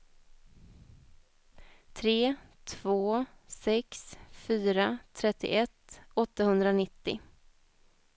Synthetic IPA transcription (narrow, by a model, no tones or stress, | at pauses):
t̪ʰɾeːt̪ʰvoːsɛksfyːɾat̪ʰɾɛt̪ːɪ̰ʔɛt̪ːɔt̪ːahɵnd̪ɾaɔnɪt̪ːɪ̰